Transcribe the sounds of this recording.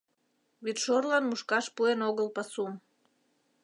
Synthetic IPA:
βit̪ʃorlɑnmuʃkɑʃpuenoɣəlpɑsum

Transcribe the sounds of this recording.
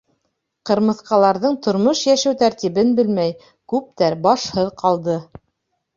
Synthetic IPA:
qɤ̆ɾmɤ̆θqɑlˠɑɾðɤɴt̪ŏɾmoʃjæʃæwt̪æɾt̪iβɘnbɘlmæj | kʉp̚t̪æɾbɑʃhɤðqʰɑlˠd̪ɤ

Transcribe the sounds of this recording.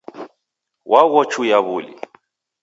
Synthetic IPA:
wʔaɣɔt͡ʃʰujaβʊlḭ

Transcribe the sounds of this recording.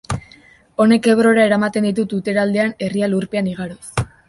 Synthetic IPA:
o̞ne̞ke̞βɾo̞ɾae̞ɾamat̪e̞nd̪it̪̬ut̪ut̪e̞ɾald̪e̞ane̞rialuɾpe̞aniɣaɾos

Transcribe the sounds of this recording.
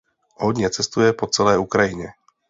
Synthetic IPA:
hod̪ɲɛt͡sɛst̪ujɛpot͡sɛlɛːukɾajɪɲɛ

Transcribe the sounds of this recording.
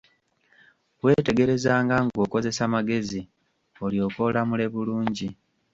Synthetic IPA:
we̞ːte̞ɡe̞ɾe̞zaːŋɡaŋɡo̞ko̞ze̞samaɡe̞zi | oljo̞ko̞lamule̞βuluːɲɟi

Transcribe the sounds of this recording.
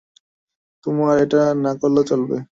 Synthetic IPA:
t̪omaɾeʈanakolːot͡ɕolbḛ

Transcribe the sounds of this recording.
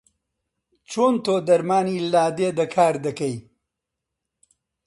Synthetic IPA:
t͡ʃoːnt̪oːd̪ɐɾmaːniːlaːd̪eːd̪ɐkʰaːɾd̪ɐkɐj

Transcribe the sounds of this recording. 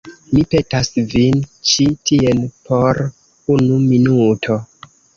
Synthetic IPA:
mipe̞tasvint͡ʃitienpʰo̞ɾ | unuminutʰo̞

